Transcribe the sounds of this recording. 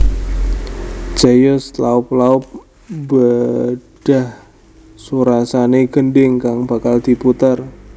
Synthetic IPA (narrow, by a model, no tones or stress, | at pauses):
d͡ʒ̥ajʊslaʊp̚laʊp̚ | bəɖ̥ah | suɾasaneɡ̥ənɖɪŋkaŋb̥a̤kald̪̥i̤put̪ər